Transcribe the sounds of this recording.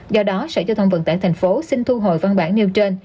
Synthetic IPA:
zɔ˧ɗɔ˨˦sə̰˧˥˩t͡ɕɔ˧t̪ʰa˧wŋ͡mvə̰˧˨˩nt̪a̰ː˧˨jt̪ʰa˨˩jŋ̟fo˨˦sï˧ŋt̪ʰu˧ɦo̰˨jva˧nɓaː˧˩nni˧wt͡ɕe˧n

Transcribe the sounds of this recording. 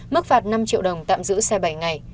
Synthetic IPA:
mɨ˦˥k̚faː˨˩t̚na˧mt͡ɕḭ˧˨əwɗə˨˩wŋ͡mt̪a̰ː˧˨mzɨ̰˧˥sɛ˧ɓa˧˩jŋa˨˩j

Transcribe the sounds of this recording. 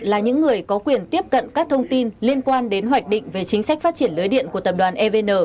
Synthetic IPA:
laː˨˩ɲɨ̰˧˥ŋːɨ˨˩əjkɔ˨˦kwi˨˩ənt̪i˦˥əp̚kə̰˧˨nkaː˦˥k̚t̪ʰə˧wŋ͡mt̪i˧nli˧ənkwaː˧nɗe˨˦nɦwa˨˩k̟̚ɗḭ̈˧˨ŋ̟ve˨˩t͡ɕï˨˦ŋ̟sa˦˥k̟̚faː˦˥t̚t͡ɕi˧˩ənlɨː˨˦jɗḭ˧˨ənku˧˩ət̪ə˨˩p̚ɗwaː˨˩nʔɛ˧ve˧nəː˨˩

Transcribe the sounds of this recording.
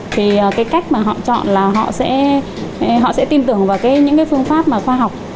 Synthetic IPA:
t̪ʰi˨˩əː˨˩kaː˨˦jka˦˥jk̟̚maː˨˩ɦɔ̰˧˨t͡ɕɔ̰˧˨nlaː˨˩ɦɔ̰˧˨sɛ̰˧˥˨ | ɦɔ̰˧˨sɛ̰˧˥t̪i˧nt̪ɨ˨˧˩əŋvaː˨˩wkaː˨˦jɲɨ̰˧˥ŋkaː˨˦fɨ˧əŋfaː˦˥p̚maː˨˩xwaː˧ɦa˨˩wk͡p̚

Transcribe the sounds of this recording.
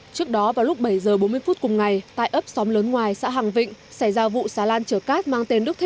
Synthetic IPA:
t͡ɕɨ˦˥ək̚ɗɔ˨˦vaː˨˩wlʊ˦˥k͡p̚ɓə˧˩jzəː˨˩ɓo˨˦m˧əjfu˦˥t̚kʊ˨˩ŋ͡mŋa˨˩jt̪a̰ː˧˨jʔə˦˥p̚sɔ˨˦mləː˨˦nŋwaː˨˩jsa̰ː˧˥ɦaː˨˩ŋvḭ̈˧˨ŋ̟sa˧˩jzaː˧vṵ˧˨saː˨˦laː˧nt͡ɕə˧˩əkaː˦˥t̚maː˧ŋt̪e˧nɗɨ˦˥k̚t̪ʰ

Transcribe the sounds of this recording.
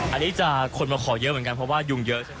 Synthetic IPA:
ʔa˨˩nːiː˦˥t͡ɕa˨˧˩kʰo˧nmaː˧kʰɔː˩˦jɤ˧˦˥ʔmɯ˩˦nka˧npʰɾɔ˦˥waː˥˩ju˧˩ŋjɤ˦˥ʔsɯ˥˩

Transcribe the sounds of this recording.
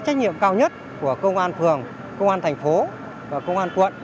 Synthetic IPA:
t͡ɕa˦˥k̚ɲḭ˧˨əmkaː˧wɲə˦˥t̚ | ku˧˩əkə˧wŋ͡mʔaː˧nfɨ˨˩əŋ | kə˧wŋ͡mʔaː˧nt̪ʰa˨˩ŋ̟fo˨˦ | vaː˨˩kə˧wŋ͡mʔaː˧nkwə̰˧˨n

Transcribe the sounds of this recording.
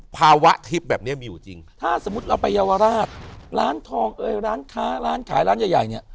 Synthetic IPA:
pʰaː˧wa˦˥ʔt̪ʰi˦˥p̚bɛː˨˩p̚ni˦˥ɐmiː˧ju˨˩t͡ɕḭ˧ŋt̪ʰaː˥˩so˩˦mːu˦˥t̪̚ɾla˧wpa˧jːaː˧waː˧ɾaː˥˩t̪̚ɾaː˦˥nt̪ʰɔː˧ŋʔɤː˧jɾaː˦˥nkʰaː˦˥ɾaː˦˥nkʰa̰ː˩˦jɾaː˦˥njaː˨˩ja˨˩jni˥˩ɐ

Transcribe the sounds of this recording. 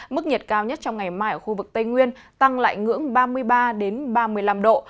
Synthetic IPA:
mɨ˦˥k̚ɲə˨˩t̚kaː˧wɲə˦˥t̚t͡ɕɔ˧wŋ͡mŋa˨˩jmaː˧jʔəː˧˨˩xu˧vɨ˨˩k̚t̪ə˧jŋwi˧ən | t̪a˧ŋla̰ː˧˨jŋɨ̰˧˥əŋɓaː˧mɨ˧əjɓaː˧ɗe˨˦nɓaː˧mɨ˧əjla˧mɗo̰˧˨

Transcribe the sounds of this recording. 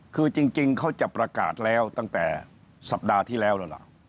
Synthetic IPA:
kʰɯː˧t͡ɕi˧ŋt͡ɕi˧ŋkʰa˦˥wt͡ɕa˨˩pɾa˧ka̰ː˨˩t̪̚lɛː˦˥wt̪a˥˩ŋt̪ɛ̰ː˨˩ | sa˨˩p̚daː˧t̪ʰiː˥˩lɛː˦˥wlaː˦˧˩la̰˧˩ʔ

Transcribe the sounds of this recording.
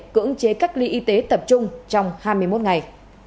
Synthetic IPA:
kɨ̰˧˥əŋt͡ɕe˨˦ka˦˥k̚li˧ʔi˧t̪e˨˦t̪ə˨˩p̚t͡ɕʊ˧ŋ͡mt͡ɕɔ˧wŋ͡mhaː˧jmɨ˧əjmo˦˥t̚ŋa˨˩j

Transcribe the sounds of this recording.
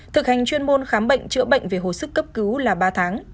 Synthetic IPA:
t̪ʰɨ˨˩k̚ha˨˩ŋ̟t͡ɕwi˧ənmo˧nxaː˨˦mɓə̰˧˨jŋ̟t͡ɕɨ̰˧˥əɓə̰˧˨jŋ̟ve˨˩ɦo̰˧˨˩sɨ˦˥kːə˦˥p̚kɨ˨˦wlaː˨˩ɓaː˧t̪ʰaː˨˦ŋ

